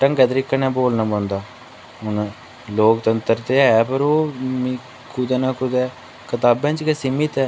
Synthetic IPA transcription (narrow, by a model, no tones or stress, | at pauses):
ʈə̃ŋɡɛːt̪əɾikːənɛ̃ːboːlnãːbãːnd̪aː | ɦʊn | loːkt̪ənt̪əɾt̪eːɛːpəɾoːmĩ | kʊd̪ɛːnaːkʊd̪ɛː | kət̪aːbɛ̃ːt͡ʃkesimɪt̪ɛː